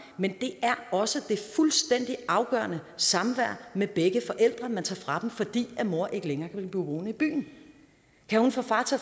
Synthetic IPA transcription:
mend̥e̝ʔæɐɒ̽səd̥e̝fulsd̥en̰d̥iʔɑ̈ʊɡ̥ɶ̰ːɐnəsɑ̈mʋæɐ̰meb̥eɡ̥əfɒ̽ʔel̰d̥ʁɐmænt͡sʰɑ̈ːfʁɑ̈d̥m̩fɒ̽d̥ḭːæmo̝ɐ̰ʔe̝ɡ̥əleŋɐːkʰæb̥ib̥uːʋo̝ːnəib̥y̰ːn̩ | kʰæhunfɒ̽fɑ̈ːt͡sʰɒ

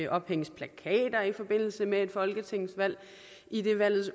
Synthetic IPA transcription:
ʔɒ̽b̥heŋ̰spʰlækʰɛ̰ːd̥ɐifɒ̽b̥e̝n̰l̩səmee̝d̥fɒ̽lɡ̥ət͡sʰe̝ŋ̰sʋæl̰ | ʔid̥e̝ʋæl̰ð̩ˠs

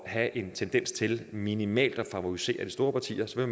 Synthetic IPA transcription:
ɦæʔe̝nt͡sʰend̥en̰st͡sʰe̝lminimɛ̰ːld̥ɒ̽fɑ̈ʋoise̝̰ːɐd̥i̥sd̥o̝ːɐpʰɑ̈t͡sʰḭːɐsɒ̽ʋe̝m

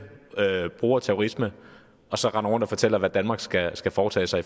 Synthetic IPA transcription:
øb̥ʁuːɐt͡sʰæʊ̝ʁismə | ɒ̽sɒ̽ʁɑ̈nɐʁɔ̽n̰d̥ɒfɒ̽t͡sʰel̰ɐʋæd̥ænmɑ̈ɡ̥sɡ̥æsɡ̥æfɒːt͡sʰɛ̰ːsɑ̈ɪi

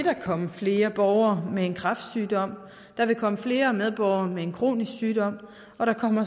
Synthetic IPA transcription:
eɾ̥ɑkʰɒ̽məfle̝ːɐb̥ɒʊɐmee̝nkʰʁɑ̈fd̥syːd̥ɒ̽m̰ | d̥ɑ̈ʋe̝kʰɒ̽məfle̝ːɐmeð̞ˠb̥ɒʊɐmee̝nkʰʁo̝̰ːnisɡ̥syːd̥ɒ̽m̰ | ɒ̽ɾ̥ɑ̈kʰɒ̽m̰ɐ

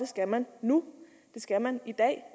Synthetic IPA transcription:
e̝sɡ̥æmænːu | d̥e̝sɡ̥æmænid̥ɛ̰ː

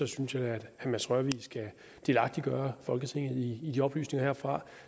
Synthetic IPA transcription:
ɒ̽synsjææd̥æmæsʁœɐʋisɡ̥æ | d̥e̝lɑ̈ɡ̥̚d̥iɡ̥ɶːɐfɒ̽lɡ̥ət͡sʰe̝ŋ̰ð̩ˠiːd̥iɒ̽b̥ly̰ːsne̝ŋɐheɐfʁɑ̈

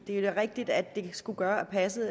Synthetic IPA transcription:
d̥e̝dʁeɡ̥̚d̥id̥æd̥ːe̝sɡ̥uɡ̥ɶːɐæpʰæsə

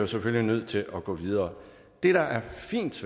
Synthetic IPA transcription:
joseføllinøð̞̰ˠt͡sʰe̝lʔɒɡ̥ɔ̰̽ːʋið̞ˠɐː | d̥e̝ɾ̥ɑ̈ʔæɐfḭːnd̥s

